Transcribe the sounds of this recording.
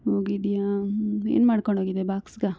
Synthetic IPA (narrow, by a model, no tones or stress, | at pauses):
hoːɡid̪ijaːḛːnmaːɽkoɳɖʱɦoːɡid̪ebaːksɡa